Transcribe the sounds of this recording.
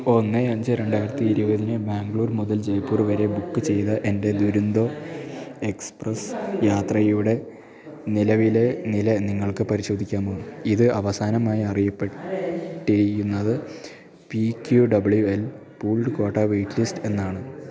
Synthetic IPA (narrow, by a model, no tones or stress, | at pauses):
o̞nːɨɐɲd͡ʑɨɾe̞ɳɖaːjiɾɐt̪ːiːɾubɐðinɨbaːŋɡɭuːrmuðɐld͡ʑe̞jpːuːrʋɐɾe̞bukːɨt͡ɕe̞jðɐʔe̞nde̞d̪uɾund̪o̞ː | e̞ksprɐsjaːt̪rɐjuɽe̞ | nilɐʋile̞nilɐniŋːɐɭkɨpɐɾiɕo̞ːd̪ʱikʲːaːmoːiðɨɐʋɐsaːnɐmaːjiɐrijɐpːeʈːiɾijunːɐðɨ | pikjuɖɐbɨɭjuel | puːɭɖɨkoːʈːaːʋejʈːɨlisʈɨe̞nːaːɳɨ